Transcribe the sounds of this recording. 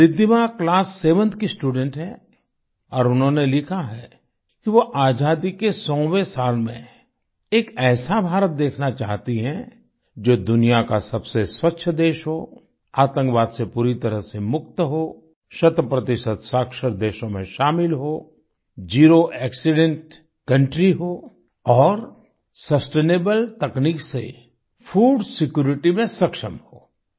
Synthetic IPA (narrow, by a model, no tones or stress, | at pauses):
ɾɪd̪imaklaːsːeːʋə̃nt̪kisʈuːɖɛ̃ɳʈɦɛː | ɔːɾʊnɦõnelɪkʰaɦɛ | kiʋoʔaːd͡ʒaːd̪ikesɔ̃ːwesaːlmẽ | eːkɛːsabʱaːɾət̪̚d̪eːkʰnat͡ʃaːɦt̪iɦɛ̃ | d͡ʒoːd̪ʊnijakasɐbseswɐkːʃʰəd̪eːʃɦoː | aːt̪ə̃ŋkʋaːd̪sepuːɾit̪ɐɾəɦsemʊk̚t̪ɦoː | ʃɐt̪əpɾət̪ɪʃət̪saːkʃəɾd̪eːʃõmẽʃaːmɪlɦoː | d͡ʒiːɾoʔɛːksɪɖẽɳʈ | kɐ̃ɳʈɾiɦoː | ɔːɾ | sɐsʈeːneːbəlt̪ɐkniːksḛ | fʰuːɖsɪkjuːɾɪʈimẽsɐkʃəmɦoː